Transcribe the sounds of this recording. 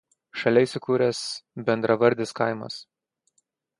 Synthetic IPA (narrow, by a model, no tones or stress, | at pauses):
ʃɐlʲɛɪsʲʊkuːɾʲɛsbʲɛnd̪ɾʔɐʋɐɾʲˑd̪ʲɪskɐˑɪmɐ̰s